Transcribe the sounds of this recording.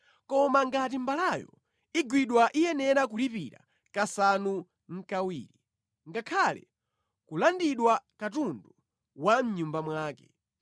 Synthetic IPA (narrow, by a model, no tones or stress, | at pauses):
kɔmaŋɡat̬imbalajɔ̰ | iɡwiɗwaʔijɛnɛɾak̬ulipḭɾa̰ | kasanu | ŋ̩kawḭːɾi | ŋɡakʰalɛ̰ | kulandiɗwakatundu | wam̩ɲumbamwaːkɛ̥